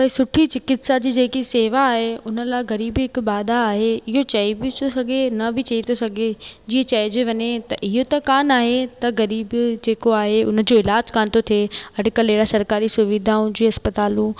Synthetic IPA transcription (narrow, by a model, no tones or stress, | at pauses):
pɐɦisʊʈʰit͡ɕɪkɪt̪sad͡ʑiːd͡ʑeːkiseːʋaːɦeʊnə̆laːɪɣɐɾiːbɦɪkbaːd̪aːɦeɪɦot͡ɕɐibiosɐɡʱenɐbʱɪt͡ɕɐit̪ʰosɐɡʱed͡ʑiːẽt͡ɕɐɪd͡ʑeʋɐɲet̪ɐʔɪɦot̪ɐkaːnaːɦet̪ɐɣɐɾiːbd͡ʑeːkoaːɦeʊnə̆d͡ʑoɪlaːd͡ʑkaːnt̪ot̪ʰieɐɖɪkəleːɽasɐɾkaːɾisʊʋɪd̪ʱaːũd͡ʑiːɐspət̪aːlũ